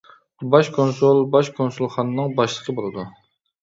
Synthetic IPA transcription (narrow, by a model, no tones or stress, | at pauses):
bɑʃkʰonsolˠbɑʃkʰonsulˠχɑnɨnɨŋbɑʃlˠəqʰəbolˠɨd̪u